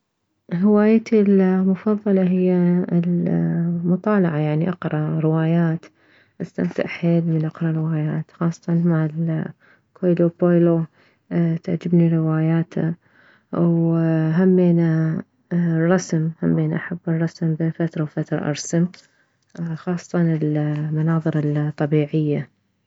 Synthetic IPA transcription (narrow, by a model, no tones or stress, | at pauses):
lhɪwaːjat̪ilmʊfɑðˤːɑlɑɦɪjːal | mʊt̪ˤɑːlɑʕajaʕniʔɑqɾˤɑɾɪwaːjaːt̪ | ʔast̪a̰mt̪ɪ̰ʔħeːlmɪnʔɑqɾˤɑɾɪwaːjaːt̪xɑːsˤːɑ̥t̪ɑnmaʕɪl | kʰojlopojlo | t̪aʕd͡ʒɪbniɾɪwaːjaːt̪ʰa̰ | wɦamːeːna | rˤːɑsmhamːeːnaʔaħabːɨrˤːɑsmbeːnfat̪ɾˤɑwfat̪ɾˤɑ̰ʔɑ̰ɾˤsam | xɑːsˤːɑt̪ɑnɪlmanɑːðˤɨɾɨt̪ˤːɑbiːʕɪjːa